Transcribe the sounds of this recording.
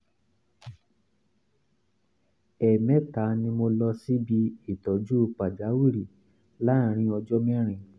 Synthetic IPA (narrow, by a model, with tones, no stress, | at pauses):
ɛ˨mɛ̃˨˦ta˨˦nĩ˧mo˧lɔ˧si˦bi˧i˨tɔ˨˦d͡ʒu˦˧k͡pa˨d͡ʒa˨˦wi˦˨ɾi˨ | lã˦˨˧ɾ̃ĩ˧ɔ˧d͡ʒɔ˦mĩ˦ɾ̃ĩ˧